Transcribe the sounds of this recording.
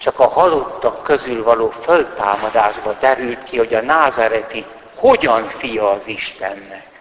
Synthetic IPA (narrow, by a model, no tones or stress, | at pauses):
t͡ʃɒkɒhɒlot̪ːɒkːøzylvɒloːfølt̪aːmɒd̪aːʒbɒd̪ɛɾylt̪kiho̞ɟɒnaːzaɾɛt̪i | ho̞ɟɒnfijɒːziʃt̪ɛnːɛk